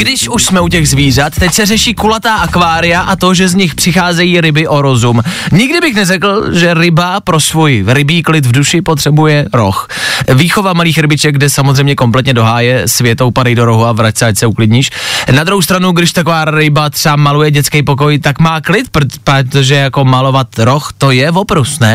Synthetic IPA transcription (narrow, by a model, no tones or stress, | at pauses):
ɡdɪʃuʃsmɛucɛɣzviːr̝at̪ːɛcsɛrɛʃiːkulat̪aːʔakvaːɾɪjaʔat̪o̞ʒɛzɲɪxpr̥ɪxaːzɛjiːɾɪbɪʔo̞ɾo̞zumɲɪɡdɪbɪxnɛrɛkl̩ʒɛɾɪbapɾo̞svujɾɪbiːklɪt̪vduʃɪpot̪r̥ɛbujɛɾo̞̰x | viːxo̞vamaliːxɾɪbɪt͡ʃɛɡ̚ɡdɛsamozrɛjmɲɛko̞mplɛt̪ɲɛdo̞ɦaːjɛsvjɛt̪owpadajdo̞ɾoɦuavɾacsɛacsɛuklɪdɲiːʃnad̪ɾuɦowst̪ɾanuɡdɪʃt̪ako̞vaːɾɪbat̪r̥ɛamalujɛɟɛt͡skɛjpo̞k̬o̞jt̪akmaːklɪt̪̚ppot̪oʒɛjako̞malo̞vat̪ɾo̞xt̪o̞jɛvopɾusnɛ